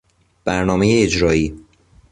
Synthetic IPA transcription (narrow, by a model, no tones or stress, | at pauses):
b̥æɾnɒːmejeːd͡ʒɾɒːiː